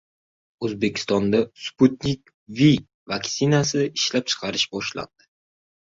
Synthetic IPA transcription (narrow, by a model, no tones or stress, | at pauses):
ɵzbe̞kʲʰɪ̥st̪ɒnd̪asput̪̚nʲikʲ | vi | vaksinasɪɪʃlap̚t͡ʃʰɨ̥qʰɑɾɪʃbɒʃla̰nd̪̥ɪ̥